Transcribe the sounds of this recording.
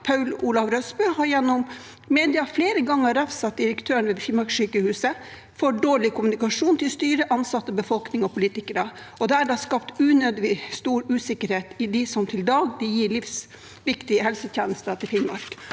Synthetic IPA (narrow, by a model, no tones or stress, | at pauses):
pʰɑʉluːlɑʋɾœsbøːhɑɾjɛnːɔm | meːd̪ɪɑfleːɾəɡɑŋːəɾɑʋsɑt̪̚d̪ɪɾəkt̪ʰøːəɳʋeːfɪmɑɾksyːkəhʉːsə | fɔɖoːɭɪkʰʊmʉnɪkɑʂuːnt̪ʰɪlst̪yːɾəʔɑnsɑt̪ːəbəfɔlknɪŋɔpʰʊliːt̪ɪkəɾə | ɔd̪ɛæɖɑːskɑpt̪ʉːnøːd̪ɪst̪uːɾʉːsɪkːəɾheːt̪ɪd̪ɪsɔmt̪ʰɪld̪ɑːɡd̪ɪjiːɭɪfs | ʋɪkt̪ɪəhɛlsət̪ʰjæːnəst̪ət̪ʰɪlfɪnmɑ̰ɾk